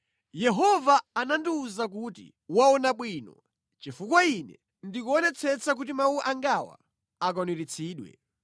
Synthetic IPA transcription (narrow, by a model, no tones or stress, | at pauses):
jɛɦɔvaːnandiuzak̬utḭ | waɔnaɓwiːnɔ̰ | t͡ʃifukwainɛ̰ | ndikuɔnɛt͡sʰɛt͡sʰak̬ut̬imawuʔaŋɡawa̰ | ak̬ɔniɾit͡sʰiːɗwɛ̰